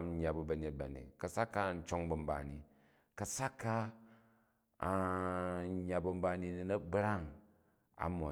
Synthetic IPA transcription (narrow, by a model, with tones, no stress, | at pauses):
m˦ɲa˨bu˨bɐ˨ɲe˨˦t̚ba̰˨nḛ˨kɐ˨sa˦kːa˦˨n̩˦t͡ʃo˦ŋbɐ˨m̩˦ba̰˨ni˨ | kɐ˨sa˦kːa˦˨˦ | ɲa˨bɐ˨m̩˦ba˨˧ni˧ni˨nɐ˦bɾa˦˨ŋ | a̰˨mo̰˨